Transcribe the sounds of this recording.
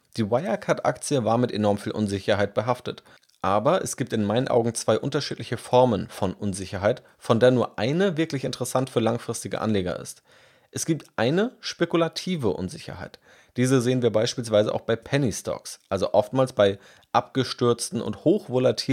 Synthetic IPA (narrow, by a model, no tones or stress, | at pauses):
d̥iːwaɪɐkʰatʔa̰kt͡sjəvaːɐmɪtenɔɐmfiːlʔʊnzɪçɐɦaɪt̚b̥əɦaftət | ʔaːbɐʔɛsɡ̥iːp̚tɪnmaɪnənʔa̰ʊɡŋ̩t͡sv̥aɪʔʊntɐʃiːtlɪçəfɔɐmənfɔnʔʊnzɪçɐɦaɪt | fɔndeːɐnuːɐʔaɪnəvɪɐklɪçɪntəʁɛsantfyːɐlaŋfʁ̥ɪstɪɡə̰ʔa̰nleːɡɐ̰ʔɪ̰st | ʔɛsɡ̥iːp̚tʔaɪnəʃpekulatʰiːvəʔʊ̰nzɪçɐ̰haɪt | d̥iːzəzeːənviːɐbaɪʃpiːls̬v̥aɪzə̰ʔaʊxb̥aɪpʰɛnistʰɔ̰ksʔalzoʔɔftmaːlsb̥aɪ | ʔapɡ̥əʃtʏɐt͡stn̩ʊ̰nthoːxv̥olatʰiː